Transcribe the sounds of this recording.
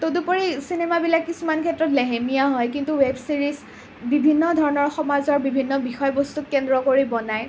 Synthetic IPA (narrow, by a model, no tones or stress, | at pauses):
todupoɹisinemabilakːisumankʰɛtɹɔtlɛɦemijaɦɔjkintuwebsiɹis | bibʱinːɔdʱɔɹɔnɔɹxɔmazɔɹbibʱinːɔbixɔjbɔstukːɛndɹɔkoɹibɔnaj